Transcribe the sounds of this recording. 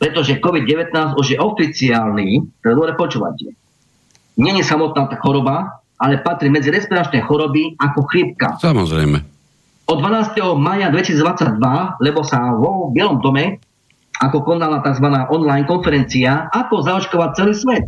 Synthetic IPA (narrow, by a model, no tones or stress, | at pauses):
pɾɛt̪ɔʒɛkɔʋid̪̚ɟɛʋɛt̪naːzuʒjɛʔɔfit͡siaːlniːt̪ɛd̪ɔɾɛpɔt͡ʃuːʋa̰cɛ | ɲɛɲɛsamɔt̪̚naːt̪axɔɾɔba | alɛpat̪ɾimɛd͡ziɾɛspiɾat͡ʃnɛjxɔɾɔbiakɔxɾip̚ka̰samɔzɾɛ̰jmɛ̰ | ɔd̪ːʋanaːst̪ɛɦɔmaːjad̪ʋɛcisid͡zd̪ʋat͡sːaɟ̚d̪ʋalɛbɔsaʋɔbɪɛlɔmd̪ɔmɛ | akɔkɔnalat̪aɡzʋanaːʔɔnlajnkɔnfɛɾɛnt͡siaakɔzaɔt͡ʃkɔʋac̚t͡sɛliːsʋɛt̪